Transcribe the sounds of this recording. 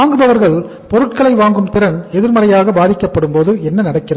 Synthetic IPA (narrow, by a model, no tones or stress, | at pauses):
aːŋɡɯðɐʋɐɾɣɐɭ | pɔɾɯʈ̚kɐɭɐɪʋaːŋɡɯmt̪ɪɾɐnɛðɪɾmɐrɐjaːɣɐbaːðɪkːɐpːɐɽɯmpoːðɯɛnːɐnɐɽɐkːɪrɐð